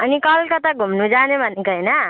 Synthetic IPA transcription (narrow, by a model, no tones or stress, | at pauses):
ʌnikʌlkʌt̪ʌɡʱumnud͡zanebʱʌnekoɦjnʌ